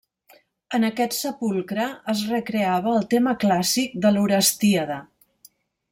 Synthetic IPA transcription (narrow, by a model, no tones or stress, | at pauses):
ənəkɛt̪səpulˠkɾəːzrəkɾeaβəːlˠt̪eməklasik̚d̪əluɾəst̪iəðə